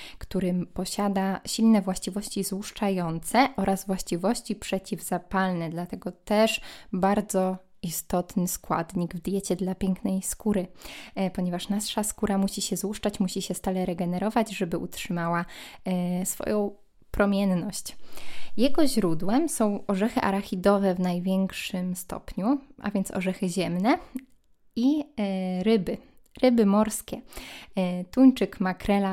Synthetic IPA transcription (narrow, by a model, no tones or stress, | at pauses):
kt̪uɾɘpɔɕad̪aɕilnɛvwaɕt͡ɕivɔɕt͡ɕizwuʂt͡ʂajɔnt̪sɛʔɔɾʔazvwaɕt͡ɕivɔɕt͡ɕipʂɛt͡ɕivz̥apalnɛd̪lat̪ɛɡɔt̪ɛʂbaɾd̪zɔ | ist̪ɔt̪nɘskwa̰d̪ɲiɡvd̪jɛt͡ɕɛd̪lapʲjɛŋknɛjskuɾɘpɔɲɛvaʂnasʂaskuɾamuɕiɕɛzwuʂt͡ʂat͡ɕmuɕiɕɛst̪alɛɾɛɡɛnɛɾɔvad͡ʑʐɛbɘʔutʂɘmawa | sfɔ̰jɔ̃w̃ | pɾɔmʲjɛnːɔɕt͡ɕjɛɡɔʑɾud̪wɛmsɔ̃w̃ɔʐɛxɘʔaɾaxʲid̪ɔvɛvnajvʲjɛŋkʂɘmst̪ɔ̰pɲuʔa̰vʲjɛnt̪sɔ̰ʐɛxɘʑɛmnɛ | i | ɾɘbɘ | ɾɘbɘmɔɾskʲɛ | t̪uɲt͡ʂɘkmakɾɛla